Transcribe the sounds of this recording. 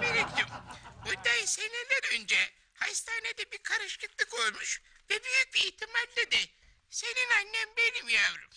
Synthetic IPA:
beɾiklimmud̪ajsenilʲɛd̪ønd͡ʒɛ | hast̪ʰaːned̪ɛbiɾkʰaɾɯʃkɯt̪lˠɯkolˠmuʃ | vɛbyjyc̚biːht̪ʰimalʲːid̪ɛ | se̞ninanʲːɛmbelʲimjaɾṵm

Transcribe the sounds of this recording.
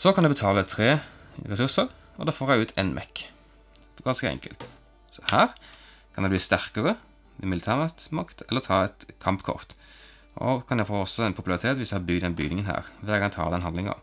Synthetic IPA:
sɔkʰɑnd̪ʉbət̪ʰɑːlət̪ʰʁeːʁɛsʉʁsəʁ | ɔd̪ɛːfoːɾæɪʉːt̪ʰḛnmʔɛ̰kː | ɡɑnskəɛ̰ŋkəlt̪ | sɔhæːʁ | kʰɑnd̪ɛb̪iːst̪æʁkəʁə | ɛmɪlɪt̪ʰæːʁmɑt̪mɑkt̪ʰɛlːəʁt̪ʰɑːɛt̪kʰɑmpkʰɔ̰ʁt̪ | ʔɔ̰kʰɑnjæfoːɔsɔɛnpʰʊpʉlɑʁɪt̪ʰeːt̪ʋɪsjæhɑbʏɡd̪ɛnbʏ̰ɡnɪŋənɦæ̰ːʁʋɛɡɑnt̪ʰɑ̰ːəd̪ɛnhɑnd̪lɪŋɑ̰

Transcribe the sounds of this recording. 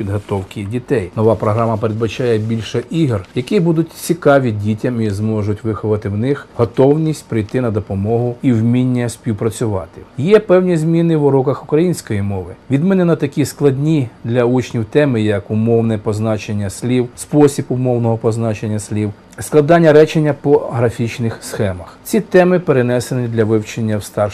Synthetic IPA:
pʲid̪ɦɔt̪ɔwkʲidʲit̪ɛjnɔʋɑpɾɔɦɾɑmɐpeɾed̪̚bɐt͡ʃɑjɛbʲilʲʃɛʔiɦrjɐkibud̪ʊtʲt͡sʲikɑʋʲidʲitʲɐmizmɔʒʊtʲʋɪxʊʋɐt̪ɪwnɪxɦɔt̪ɔwnʲisʲtʲpɾɪjt̪ɪnɐd̪ɔpɔmɔɦʊiwmʲinʲːɐsʲpʲiwpɾɐt͡sʲʊʋɑt̪ɪ̥jɛpɛwnʲizmʲinɪwɾukɐxʊkɾɐjinʲsʲkɔjimɔʋɪʋʲid̪mɪnɪnɐt̪ɐkʲisklˠɐdʲnʲid̪lʲɐut͡ʃnʲiwt̪ɛmɪjɐkʊmɔwnɛpɔznɑt͡ʃenʲːɐsʲlʲiwspɔsʲibʊmɔwnɔɦɔpɔznɑt͡ʃenʲːɐsʲlʲiw | sklˠɐd̪ɑnʲːɐɾɛt͡ʃenʲːɐpɔɦɾɐfʲit͡ʃnɪxsxɛmɐxt͡sʲit̪ɛmɪpeɾenɛsenʲid̪lʲɐʋɪwt͡ʃenʲːɐwst̪ɑr

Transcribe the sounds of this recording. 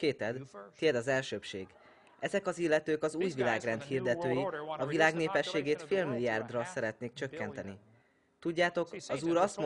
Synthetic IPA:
keːt̪ɛd̪t̪iɛd̪ɒzɛlʃøːpʃeːɡ | ɛzɛkɒzilːɛt̪øːkɒzuːjvilaːɡrɛnt̪hiːrd̪ɛt̪øːjiɒvilaːɡneːpɛʃːeːɡeːt̪feːlmiliaːrd̪rɒsɛɾɛt̪neːkt͡ʃø̞kːɛnt̪ɛni | t̪uɟːaːt̪o̞kɒzuːɾɒst̪m

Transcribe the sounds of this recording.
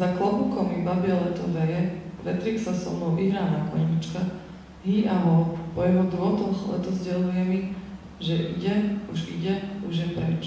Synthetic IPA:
zaklɔbukɔmibabialɛt̪ɔʋɛjɛɾɛt̪ɾiːksasɔ̰mɔʊʔiɦɾaːnakɔ̰ɲit͡ʃka | ɦiːʔalɔpɔjɛɦɔd̪ɾuɔt̪ɔxlɛ̰t̪ɔzɟɛlujɛmi | ʒɛʔiɟɛuʒḭɟɛuʒjɛpɾɛt͡ʃ

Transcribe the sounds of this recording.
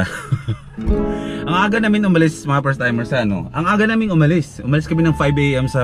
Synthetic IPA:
ʔɐŋʔaːɡɐnaːmɪnʊmɐlɪsɐmɐŋɐpɛst̪ajmɛɹsɐʔɐno̞̰ʔɐŋʔaːɡɐnaːmɪnʔʊmɐlɪsʔʊ̰mɐlɪskɐmɪnɐŋfajbʔejʔɛmsɐ

